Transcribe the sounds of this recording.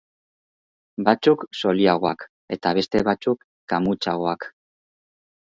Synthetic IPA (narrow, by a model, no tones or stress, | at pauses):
bat͡sukso̞liaɣ̞o̞ak | e̞t̪aβe̞st̪e̞βat͡sukːamut͡saɣ̞o̞ak